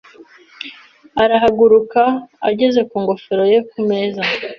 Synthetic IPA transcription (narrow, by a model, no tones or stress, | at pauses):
aɾaɦaɡuɾukaaɟe̞ze̞kuːŋɡo̞feɾo̞je̞kume̞za